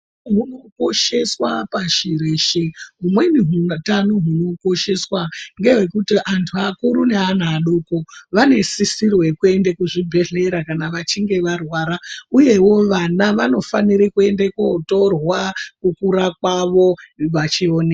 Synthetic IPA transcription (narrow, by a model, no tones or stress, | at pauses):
ɦuno̞ko̞ʃe̞swapaʃiɾeʃeɦumwe̞niɦutanoɦuno̞ko̞ʃe̞swaŋɡe̞ɦe̞kutiʔantʰuakuɾune̞an̤ːɗokoʋane̞sisirwe̞kue̞ndekuʐibʱe̞ɮe̞ɾakanaʋat͡ʃiŋɡe̞ʋarwaːɾauje̞wo̞ʋanaʋano̞faniɾikue̞ndekoto̞rwakukuɾakwaʋo̞ʋat͡ʃione